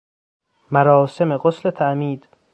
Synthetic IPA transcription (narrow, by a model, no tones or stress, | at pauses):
mæɾɒːse̞meɢoslet̪ʰæʔmiːd̪